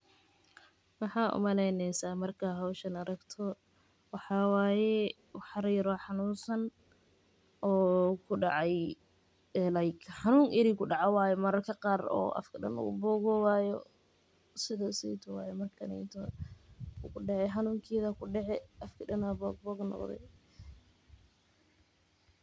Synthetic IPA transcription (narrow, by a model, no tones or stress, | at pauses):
mɑħɑːʔʊ̰mɐlɛnɛjsaːmɐrkʰɐɦɐwʃɐnɐɾɐɡt̪ʰɔ | wɑħɑːwaːjɛ | wħɑɾijɾɔħɑnuːnsɐn | ʔɔːkʰʊɖɑʕɑj | ɛlɐjkʰħɑnuːŋʔɪɾikʰʊɖɑʕɑwaːjɛmɐɾɐrkʰɐqɑːrɔ̰ːʔɐ̰fkʰɐɗɐ̰nʊ̰ɣʊ̰bɔːɡɔwaːjɔ̰ | sɪðɐsɛjt̪ʰɔwa̰ːjɛmɐrkʰɐnɛ̰t̪ʰɔ | kʰʊɖɛʕɛħɑnuːŋkʰiːðɐkʰʊɖɛʕɛɐfkʰɐɖɐnabɔːɡ̚bɔɡnɔ̰qðɛ̰j